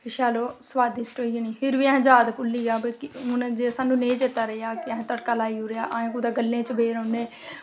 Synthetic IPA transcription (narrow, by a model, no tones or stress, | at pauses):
ɪʃaːloːsəʋaːd̪ɪsʈoːiniːpʰɪɾʋiːɛ̃ɦd͡ʒaːd̪pʊlːiːaːbkɪɦʊnd͡ʒeːsaːnũːnẽːd͡ʒeːt̪aːɾəjaːkɪɛ̃ɦt̪əɽkaːlaːiːuɾeaːʔaːẽːkuːd̪aːɡəlːẽːt͡ʃəbeːɾəːneː